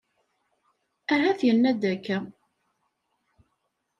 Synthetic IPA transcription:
æɦæθjənːæd̪ækːæ

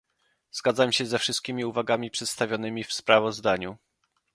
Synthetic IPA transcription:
z̥ɡad̪zamɕɛzɛfʂɘst̪̚kʲimʲiuvaɡamʲipʂɛt̪st̪avʲjɔnɘmʲifspɾavɔzd̪aɲu

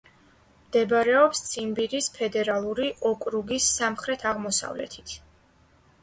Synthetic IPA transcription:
md̪̥ɛbɾɛɔpst̪sʼʰimbiɾispʰɛd̪ɛɾalˠuɾiʔɔkʼɾuɡisːamχɾɛt̪ʰaʁmɔsa̰vlɛ̰t̪ʰi̥t̪ʰ

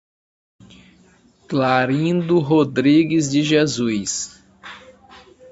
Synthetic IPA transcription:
klaɾĩd̪ʊɦod̪ɾiɡɪzd͡ʒɪʒezujs

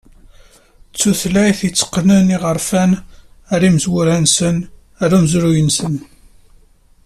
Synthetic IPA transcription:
t͡sːuθlæjθit͡sːə̥qːnəniʁəɾfæn | aɾiməzwʊɾænsən | aɾumzɾujənsən

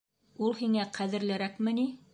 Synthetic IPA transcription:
ulˠhiŋæqæðɘ̆ɾlæɾækmɘ̆ni

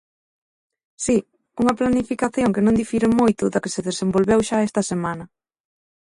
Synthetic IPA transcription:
si | uŋɐplanifikaθjoŋkɪnõŋd̪ifiɾemojt̪ʊðɐkɪseðesembolβewʃaest̪ɐsemanɐ

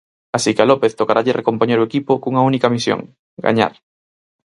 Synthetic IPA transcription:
asikealopeθt̪okaɾaʎerekompoɲeɾoekipokuŋaunikamisjo̰ŋ | ɡa̰ɲa̰ɾ

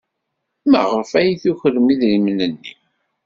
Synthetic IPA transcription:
mæ̰ʁəfæjθuçəlːmiðlimənənːḭ

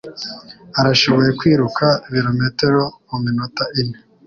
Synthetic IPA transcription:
aɾaʃo̞βo̞je̞kwiːɾukʰaβiɾometeɾouminotaʔine

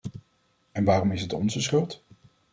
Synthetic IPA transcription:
ɛnʋaːrɔmɪsɦətɔ̰nzəsχɵlˠt

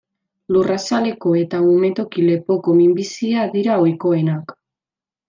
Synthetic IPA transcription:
lurasale̞ko̞e̞t̪amume̞t̪o̞kile̞po̞ko̞mimbisiaðiɾaojko̞e̞nak

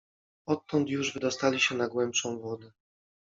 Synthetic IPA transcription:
ɔt̪ːɔnt̪juʐvɘd̪ɔst̪alʲiɕɛnaɡwɛmpʂɔ̃w̃vɔd̪ɛ

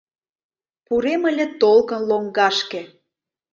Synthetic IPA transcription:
puɾeməlʲĕt̪olkə̆nloŋɡɑʃkĕ

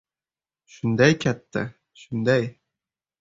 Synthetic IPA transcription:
ʃʊnd̪ajkʲʰat̪ːɪ̰ | ʃʊnd̪aj

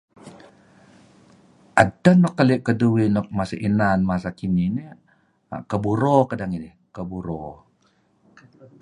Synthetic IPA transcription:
ʔadənːɔkːaliʔkəduwinɔk̚masaʔinanmasakinini | a̰kəbuɾɔkadaŋini | kəbuɾɔ

